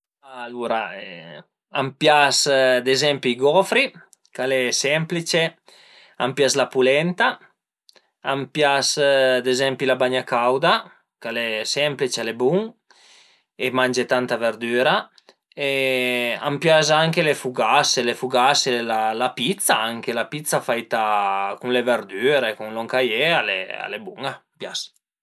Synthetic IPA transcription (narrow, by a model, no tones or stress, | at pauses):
aluɾaɛ | ampjasd̪ezɛmpiɡɔfɾi | kalɛsɛmplit͡ʃe | a̰mpjaslapulɛnt̪a | ampjasd̪ezɛmpilabaɲakawd̪a | kalɛsɛmplit͡ʃalebuŋ | emand͡ʒet̪ant̪aveɾd̪yːɾa | e | a̰mpjas̬aŋkelefuɡaselefuɡaselalapit̪saaŋkelapit̪sːafajt̪akuŋlevɛɾd̪yːɾeekuŋlɔŋkajealḛa̰lebuŋampjas